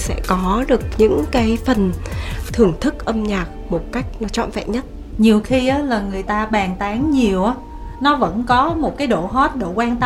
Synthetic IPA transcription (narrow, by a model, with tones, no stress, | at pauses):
sɛ̰˧˥kɔ˨˦ɗɨ˨˩ək̚ɲɨ̰˧˥ŋkaː˨˦jfə˨˩nt̪ʰɨ˨˩əŋt̪ʰɨ˦˥k̚ʔə˧mɲaː˨˩k̚mo˨˩t̚ka˦˥jk̟̚nɔ˨˦t͡ɕɔ̰˧˨nvɛ̰˧˨ɲə˦˥t̚ | ɲi˨˩əwxi˧ʔaː˨˦laː˨˩ŋɨ˨˩əjt̪aː˧ɓaː˨˩ŋt̪aː˨˦ŋɲi˨˩əwʔaː˨˦ | nɔ˨˦və̰˧˥nkɔ˨˦mo˨˩t̚kaː˨˦jɗo̰˧˨ɦɔ˦˥t̚ɗo̰˧˩kwaː˧nt̪ə˦